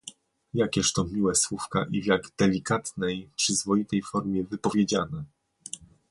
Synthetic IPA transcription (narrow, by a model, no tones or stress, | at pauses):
jakʲɛʂt̪ɔmʲiwɛswufka̰ʔivʲjaɡd̪ɛlʲikat̪nɛjpʂɘzvɔjit̪ɛjfɔɾmʲjɛvɘpɔvʲjed͡ʑanɛ